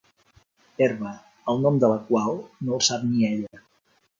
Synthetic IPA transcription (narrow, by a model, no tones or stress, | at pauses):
eɾβə | əlˠnɔmd̪ələkwalˠnolˠsap̚niɛʎə